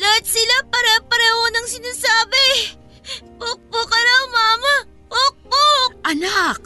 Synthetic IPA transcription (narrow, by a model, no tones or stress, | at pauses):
lɐɐt̪sɪlapɐɾɛpɐɾɛːhonɐŋsɪnaːsaːbɪ | pok̚pokɐlamaːmɐ | pok̚bok̚ʔɐnak̚